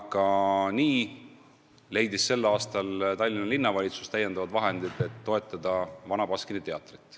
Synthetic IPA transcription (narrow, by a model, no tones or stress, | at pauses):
kɑniː | le̞jd̪isse̞lːɑːst̪ɑlt̪ɑlʲːinɑlinːɑvɑlʲit̪su̥st̪æjːe̞nd̪̥ɑvɑd̪vɑɦe̞nd̪̥id̪̥e̞t̪ːo̞e̞t̪ːˑɑd̪̥ɑvɑnɑpɑskinit̪e̞ɑt̪ːˑrit̪ˑː